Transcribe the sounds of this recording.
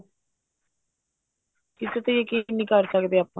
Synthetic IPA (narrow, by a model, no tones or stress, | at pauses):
kɪset̪ejeːkiniːkəɾsəkd̪eːaːpːã